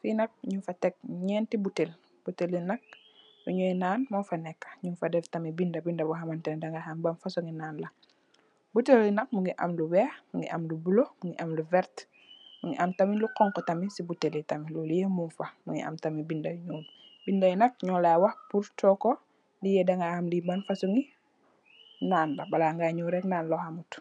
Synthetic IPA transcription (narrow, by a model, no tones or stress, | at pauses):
finɐk̚ɲufɐtɛk̚ɲɛːntibutel | b̥utelːinɐk̚ | muɲɔjnaːnmɔnfɐnɛkːɐ̥ɲunfɐdɛftɐmibindɐbindɐbɔɦɐmantɛndaŋɡahambɐmfɐsɔŋɡinaːnlɐ | butelːinɐk̚muŋɡiʔɐ̰mluwɛːhmuŋɡḭʔɐmlubulomuŋɡiʔɐmluvɛɾt | muŋɡiʔɐmtɐmiluqɔŋkɔtɐmisibutelitɐmilulijemunfɐmuŋḭʔɐ̰mtɐmibindɐjɲuːn | bindɐjnɐk̚ɲɔlaːwɐhpuɾtɔkɔ | lijɛdɐŋɡahamlibɐnfɐsuŋi | naːnlɐbɐlaŋɡaɲuːɾɛknaːnlɔhamut